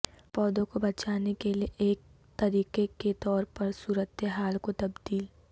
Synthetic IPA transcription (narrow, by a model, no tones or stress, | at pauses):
pɔːd̪õkobɐt͡ʃaːnekelieʔeːk̚ | t̪ɐɾiːqeket̪ɔːɾpɐɾsuːɾət̪ɦaːlkot̪ɐbd̪iːl